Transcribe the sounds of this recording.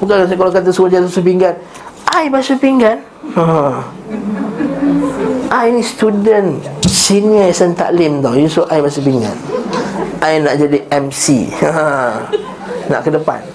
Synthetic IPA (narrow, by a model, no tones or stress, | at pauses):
bukakalakat̪̬asuad͡ʒat̪̬asapiŋɡan | ʔajbasapiŋɡan | ə | ʔajnĩst̪udənsiniəsənt̪a̰ʔlɪmt̪awjusoʔajbasap̬iŋɡa̰n | ajnaʔd͡ʒadiɛmsḭə | na̰ʔkədəpa̰n